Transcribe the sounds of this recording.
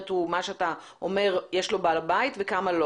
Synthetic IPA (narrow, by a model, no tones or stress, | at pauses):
t̪umaʃeat̪a | ʔome̞ʁjeʃlo̞balabait̪vekamalo